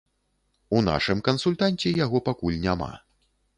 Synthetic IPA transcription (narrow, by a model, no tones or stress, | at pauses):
una̰ʂɨmkɐnsulʲt̪anʲt͡sʲɛjaɣɔpakulʲnʲama̰